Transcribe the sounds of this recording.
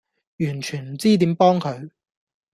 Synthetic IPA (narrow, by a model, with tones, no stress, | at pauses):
jyː˨˩nt͡ʃʰyː˨˩nm̩˨˩t͡siː˥t̪iː˨˥mpɔː˥ŋkʰɵ˨˧ɥ